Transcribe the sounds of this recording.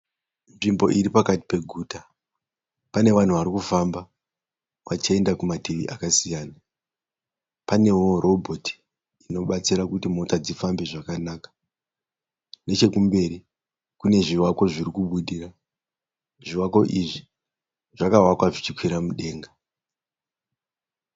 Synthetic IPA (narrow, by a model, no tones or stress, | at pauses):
nʐimbo̞̰ʔiɾipakati̥pe̞ɡʱuːta | pane̞ʋan̤uʋaɾikufamba | ʋat͡ʃie̞ndakumatiʋḭʔakasijaːna | pane̞woro̞bʱo̞tʰi̥ː | no̞ɓat͡siɾakutimo̞tad͡zifambe̞ʐakanaːkḁ | ne̞t͡ʃe̞kumbe̞ɾi | kune̞ʐiwako̞ʐirikuɓuɗira | ʐiwako̞ʔiʐi | ʐ̥akaɦwakwaʐit͡ʃikwiɾamuɗe̞ːŋɡa